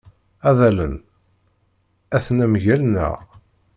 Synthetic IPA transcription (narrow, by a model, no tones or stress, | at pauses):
æðælən | æθnæmʝælnæ̰ʁ